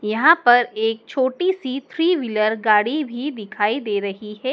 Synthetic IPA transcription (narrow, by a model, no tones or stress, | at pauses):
jɐɦãpɐɾeːk̚t͡ʃʰoːʈisit̪ʰɾiːʋɪləɾɡaːɽibʱid̪ɪkʰaːid̪eːɾɐɦiɦɛː